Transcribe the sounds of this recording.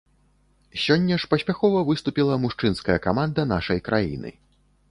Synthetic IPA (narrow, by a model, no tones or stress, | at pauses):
sʲɔnʲːɐʂpɐsʲpʲaxɔvɐvɨst̪upʲilˠɐmuʂt͡ʂɨnskɐjɐkamand̪ɐn̪aʂɐjkɾajḭnɨ̰